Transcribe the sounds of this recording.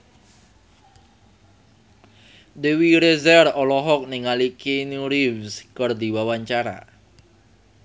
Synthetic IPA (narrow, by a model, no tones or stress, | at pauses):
dewiɾezɛrɔlɔɦɔk̚niŋalikenuɾivskɔrd̪iwawaɲt͡ʃaɾa̰